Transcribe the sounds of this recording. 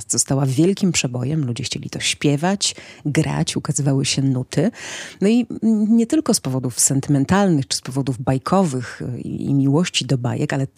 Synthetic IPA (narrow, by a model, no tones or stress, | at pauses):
st̪zɔst̪awavʲjɛlkʲimpʂɛbɔjɛmlud͡ʑɛxt͡ɕelʲḭt̪ɔɕpʲjɛvat͡ɕɡɾa̰t͡ɕukazɘvawɘɕɛnut̪ʰɘnɔiɲɛt̪ɘlkɔspɔvɔd̪ufsɛnt̪ɘmɛnt̪alnɘxt͡ʂɘ̥spɔvɔd̪uvbajkʰɔvɘxḭḭmʲiwɔɕt͡ɕid̪ɔba̰jɛ̰kalɛ